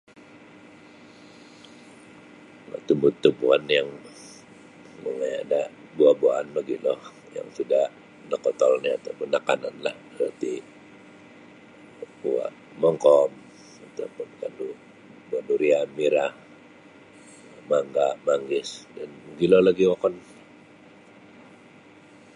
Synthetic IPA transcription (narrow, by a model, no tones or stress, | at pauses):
a̰t̪umbut̪ːumbuanjaŋ | məŋaja̰da | buabuaʔanməɡilɔh | ja̰ŋt̪idaʔ | dəkɔt̪ɔlniat̪awpʊnːakananlahdəɾart̪i | uwa̰ʔ | mɔŋkɔm | at̪apʊnkandu | buanuɾiamiɾah | maŋɡaʔmaŋɡɪsdanməɡilɔlaɡiwakɔn